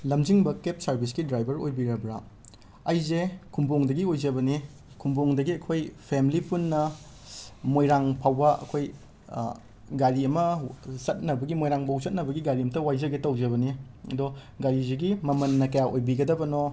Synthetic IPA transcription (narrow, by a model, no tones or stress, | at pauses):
lɐmd͡ʒiŋbɐkep̚sɐɾbʱiskidɾajbɐɾojbiɾɐbɾa̰ | ɐjzekʰumboŋdɐɡiojzɐbɐni | kʰumboŋdɐɡiɐkʰojpʰemlipunːɐ | mojɾaŋpʰawbɐʔɐ̰kʰoj | ɡaɾiɐmɐsɐt̚nɐbɐɡimojɾaŋbʰʱawzɐt̚nɐbɐɡiɡaɾiɐmɐtɐwajzɐɡetɐwd͡ʒɐβɐniɐdɔ | ɡaɾizeɡimɐmɐnːɐkɐjaʔojbiɡɐdɐbɐno